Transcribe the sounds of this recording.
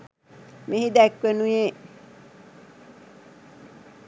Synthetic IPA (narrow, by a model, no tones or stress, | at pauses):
mehid̪ækʋenuje